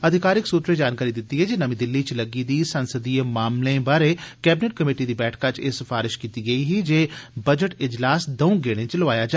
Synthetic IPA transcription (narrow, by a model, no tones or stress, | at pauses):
əd̪ʱɪkaːɾɪksuːt̪ɾeːd͡ʒaːnkaːɾid̪ɪt̪ːiːɦɛːd͡ʒeːnəmĩd̪ɪlːiːt͡ʃləɡiːd̪iːsənsəd̪iːemaːmlẽːbaːɾeːkɛːbɪneʈ̚kəmeːʈid̪iːbɛːʈʰkat͡ʃesɪfaːɾɪʃkiːt̪iɡəiːɦiːd͡ʒeːbəd͡ʒəʈɪd͡ʒlaːsd̪əũːɡeːɽ̃ẽːt͡ʃləʋaːjaːd͡ʒaː